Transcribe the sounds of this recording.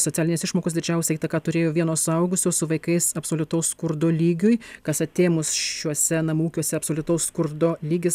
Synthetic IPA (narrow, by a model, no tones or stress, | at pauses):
sot̪ʲæːlʲɪnʲɪsɪʃmoːkoːsd̪ʲɪd͡ʒʲɛʊsʲɛit̪ɐkɑːt̪ʊɾʲeːjoːʋʲiɛnoːsʊɐʊɡʊsʲoːsʊʋɐɪkɐɪsɐpsoːlʲʊt̪ɐʊsskʊɾd̪oːlʲiːɡʲʊjkɐsɐt̪ʲeːmʊsʃuɔsʲɛnɐmuːkʲuɔsʲɛɐpsoːlʲʊt̪ɐʊsskʊɾd̪oːlʲiːɡʲɪs